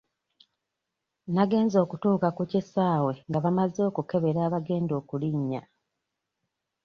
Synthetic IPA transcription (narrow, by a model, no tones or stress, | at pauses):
naɡe̞ːnzo̞ːkutuːkakucisaːwe̞ŋɡaβamazo̞ːkuke̞βe̞ɾaːβaɡe̞ːndo̞ːkuliɲːa̰